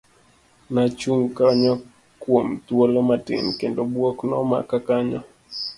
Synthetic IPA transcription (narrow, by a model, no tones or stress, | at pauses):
nat͡ʃuŋkaɲɔ | kwomt̪wolomatɪ̰nkendobwoknɔma̰kakaɲɔ